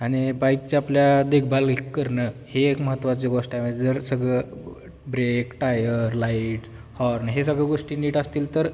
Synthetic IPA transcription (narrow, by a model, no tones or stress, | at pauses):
aɽ̃ibaik̚t͡ɕeapljad̪ek̚ʰbʱalkːəɾɳəheːkməɦət̪ːʋat͡seɡoʂʈajmeed͡zəɾsəɡɭə | bɾekʈajəɾlaiʈ | hɔɾnɦesəɡɭəɡoʂʈiːniːʈast̪iːlt̪əɾ